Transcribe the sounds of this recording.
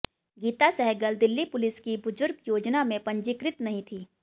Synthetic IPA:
ɡiːt̪asɛɦɛɡəld̪ɪlːipʊlɪskibʊzʊɾɡjoːd͡ʒnamẽpɐ̃ɲd͡ʒɪkɾɪt̪nɐɦĩt̪ʰiː

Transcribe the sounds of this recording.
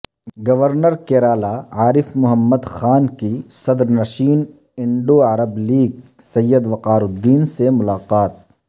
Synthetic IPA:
ɡɐʋəɾnəɾkeːɾaːlaaːɾɪfmʊɦəmːəd̪xaːnkisɐd̪ɾnɐʃiːn | ɪ̃ɳɖoɐɾəbliːɡ̚sɐjːəd̪ʋɐqaːɾʊd̪ːiːnsemʊlaːqaːt̪̚

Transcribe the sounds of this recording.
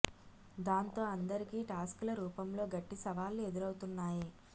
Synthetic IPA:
d̪aːnt̪o̞ːɐnd̪ɐɾikiːʈaːskulɐɾuːpɐmlo̞ːɡɐʈːisɐʋaːlue̞d̪uɾɐwut̪unːaːji

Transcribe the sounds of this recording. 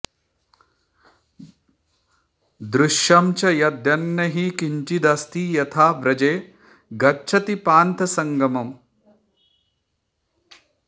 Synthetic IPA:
d̪ɾuʃjɐmt͡ʃɐjɐd̪jɐnːɐɦikiɲt͡ʃid̪ɐst̪ijɐt̪ʰaːbɾɐd͡ʒeː | ɡɐtːt͡ʃʰɐt̪ipaːnt̪ɐsɐŋɡɐmɐm

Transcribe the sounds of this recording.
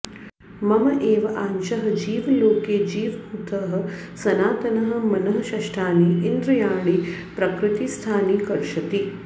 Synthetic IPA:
mɐmɐʔeːʋɐʔaːnʃɐɦɐ̆d͡ʒiːʋɐloːkeːd͡ʒiːʋbʱuːt̪ɐɦɐ̆sɐnaːt̪ɐnɐɦɐ̆mɐnɐɦɐ̆ʃɐʃʈʰaːniind̪ɾɐjaːɳ̃ipɾɐkɾɪt̪ist̪ʰaːniːkɐɾʃɐt̪i

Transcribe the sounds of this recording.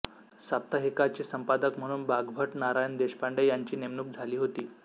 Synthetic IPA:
sap̚t̪aɦekat͡ɕiːsəmpad̪əkm̤əɽ̃uːnbaɡbʱəʈnaɾajənd̪eɕpaɳɖəjaɲt͡ɕiːnemnuːk̚d͡zʱaliːɦot̪iː

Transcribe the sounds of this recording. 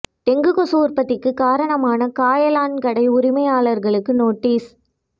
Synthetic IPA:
t̪ɛŋɡɯkɔsuːɾpɐt̪ːɪkːɯkaːɾɐɳɐmaːnɐkaːjɐlaːnkɐɽɐɪʊɾɪmɐɪjaːɭɐɾɣɐɭɯkːɯnoːʈːiːs

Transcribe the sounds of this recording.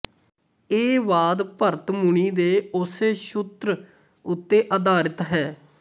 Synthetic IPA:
eːʋaːd̪pəɾt̪mʊɳ̃iːd̪eːʊseːʃʊt̪ɾ | ʊt̪ːeːʔəd̪aːɾɪt̪ɦɛː

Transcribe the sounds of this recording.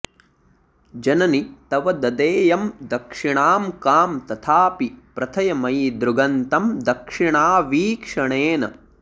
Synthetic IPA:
d͡ʒɐnɐnit̪ɐʋɐd̪ɐd̪eːjɐmd̪ɐkʂiɳaːmkaːmt̪ɐt̪ʰaːpipɾɐt̪ʰɐjɐmɐjd̪ɾuɡɐnt̪ɐmd̪ɐkʂiɳaːʋiːkʂɐɳeːnɐ̰

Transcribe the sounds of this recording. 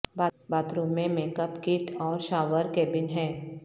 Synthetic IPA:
babaːt̪ɾũmẽmeːkəpkɪʈɔːɾʃaːʋəɾkɛːbɪnɦɛː

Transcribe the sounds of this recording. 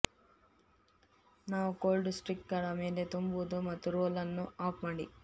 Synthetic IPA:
naːʋukoːlɖsʈɾikʈkɐɽɐme̞ːle̞t̪umbuud̪umɐt̪ːuɾoːlɐnːuaːpmaːɽḭ

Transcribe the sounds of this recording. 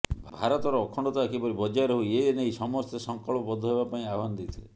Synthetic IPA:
bʱbʱaɾɔt̪ɔɾɔːkʰɔɳɖɔt̪ɔakʰibɔɾibɔd͡ʒajɾɔɦueeneisɔmɔst̪esɔŋkɔɭpɔbɔd̪ʱːɔɦeβapaĩaɔɦanɔd̪et̪ʰile

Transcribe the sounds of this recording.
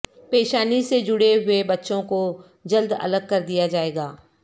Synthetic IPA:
peːʃaːnised͡ʒʊɽeɦʊebɐtːʃõko | d͡ʒɐld̪ɐ̰ləɡ̚kɐɾd̪ijad͡ʒaːeːɡaː

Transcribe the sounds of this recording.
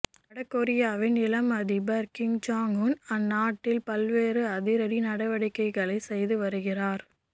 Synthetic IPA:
ɐɽɐkːɔɾɪjaːʋɪnɪlɐmɐðibɐɾkɪŋd͡ʒaːŋunɐnːaːʈːɪlpɐlʋeːrɯɐðɪɾɐɾinɐɽɐʋɐɽɪkːɐɪɣɐɭɐɪsɛjðɯʋɐɾɯɣɪraːɾ

